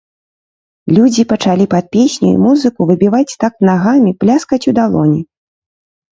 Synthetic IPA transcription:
lʲud͡zʲipɐt͡ʂalʲipɐt̪̚pʲesʲnʲṵḭmuzɨkuvɨbʲivat͡sʲt̪aknaɣamʲiplʲaskɐt͡sʲud̪alˠɔnʲi

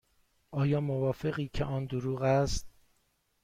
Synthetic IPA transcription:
ʔɒːjɒːmovɒːfe̞ɣiːcʰe̞̰ʔɒːnd̪oɾuːɣæst̪̚

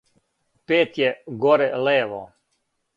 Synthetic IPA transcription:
peːt̪jɛɡoɾɛleːʋo

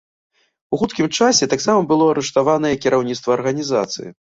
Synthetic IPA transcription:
uxut̪kʲimt͡ʂasʲɛt̪aksamɐbɨlˠɔɐɾɛʂt̪avanɐjɛkʲiɾʔawnʲit̪st̪vɐːrɣɐnʲiza̰t̪sɨ̰jḭ

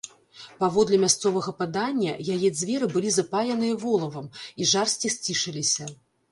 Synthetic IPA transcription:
pavɔd̪lʲɛmʲast̪sɔvɐɣɐpad̪anʲːɐ̰jajɛd̪zʲvʲɛɾɨbɨlʲizɐpajʲɐnɨjɐvɔlˠɐvɐmiʐarsʲt͡sʲisʲt͡sʲiʂɨlʲisʲɐ

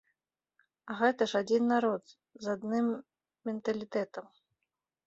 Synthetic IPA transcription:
ɐɣɛt̪ɐʂad͡zʲinːaɾɔt̪ | zad̪nɨmːʲ | ɛnt̪ɐlʲit̪ɛt̪ɐm

